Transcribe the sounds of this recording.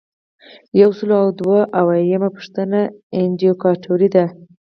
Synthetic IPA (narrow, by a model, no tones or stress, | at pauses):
jawsəloawd̪waʔawajamapə̥ʂt̪ənaɪndijokɑʈʰoɾid̪a